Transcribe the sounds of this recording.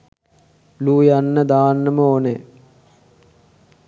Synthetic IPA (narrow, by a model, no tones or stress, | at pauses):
luːjanːəd̪aːnːəməone